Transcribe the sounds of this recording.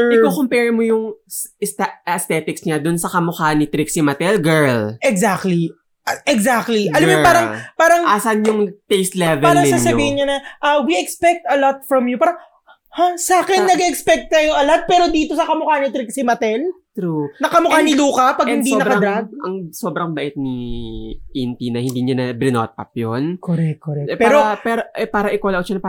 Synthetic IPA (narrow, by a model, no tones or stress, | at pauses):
ɪkokompɛɹmojʊŋst̪ɐst̪ɛːt̪ɪksɲad̪ʊnsɐkɐmʊkanɪt̪ɾɪksimɐt̪ɛlɡɛɹlʔɛɡzak̚t̪li | ʔɛɡzak̚t̪liʔɐlɐmjopaːɾɐŋpaːɾɐŋasɐnjʊŋt̪ejst̪lɛvɛːɾlɾɐŋɪsaːnsɐiːhɪnɲɐnɐʔɐwiɛkspɛk̚t̪ɐlɔt̪̚fɹɐmjupaːɾɐŋ | hasaːkɛnːɐɡɛʔɛkspɛk̚t̪̚kɐjoɐlɔt̪̚pɛːɾod̪iːt̪o̞sɐkɐmʊkanɐt̪ɾiksɪmɐt̪ɛl | t̪ɾunɐkɐmʊkanɪluːkɐpɐɡhɪnd̪inɐbkɐd̪ɾaɡ̚ʔɐ̰ŋsobɾɐŋbɐʔɪt̪̚ni | int̪inɐhɪnd̪iɲɐnɐbɾɪno̰t̪̚pɐ̰p̚jonkoɾɛk̚koɾɛɛpɛaːɾopɛːɾoʔɛpaːɾɐʔɪkɐlaʔoʃɐnɐpː